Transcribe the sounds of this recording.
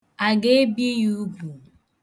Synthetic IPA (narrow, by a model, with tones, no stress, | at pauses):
a˨ɡe˦bje˦ju˦bu˨